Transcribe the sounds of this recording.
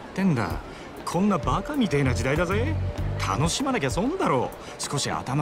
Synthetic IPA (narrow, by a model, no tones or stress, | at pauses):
t̪ẽ̞nd̪a̰ | kʰõ̞nːabakamʲit̪ainad͡ʑid̪aid̪azet̪ʰa̰no̞ɕimand̪ak̬ʲasõ̞nd̪aɾo̞ː | sɨ̥ko̞ɕia̰t̪ama